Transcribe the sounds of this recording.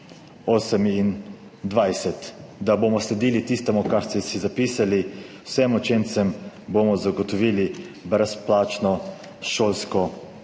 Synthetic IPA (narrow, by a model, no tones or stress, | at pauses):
oːsɛmin | d̪ʋajsɛt̪d̪abomɔslɛd̪iːlit̪ist̪ɛmukaɾst̪ɛsizapiːsaliwsɛmɔt͡ʃent̪sɛmbomɔzaɡɔt̪ɔʋiːli | bɾɛsplaːt͡ʃnɔ | ʃoːlskɔ